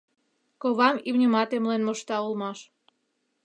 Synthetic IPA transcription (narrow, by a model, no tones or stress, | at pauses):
koβɑmimnʲəmɑt̪emlenmoʃt̪ɑulmɑʃ